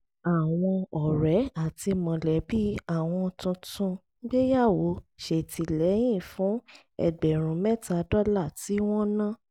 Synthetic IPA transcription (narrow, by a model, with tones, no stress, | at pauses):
a˨w̃ɔ̃˧ɔ˨ɾɛ˨˦a˦˨ti˧mɔ̃˨lɛ˨˦bi˦a˦˨w̃ɔ̃˧tũ˧tũ˧ | ɡ͡be˦ja˦˨wo˨˦ʃe˨ti˧lɛ˨˦j̃ĩ˦˨fũ˨˦ | ɛ̰˨ɡ͡bɛ˨ɾ̃ũ˨mɛ̃˦ta˧dɔ˦la˦˨ti˨˦w̃ɔ̃˦nã˦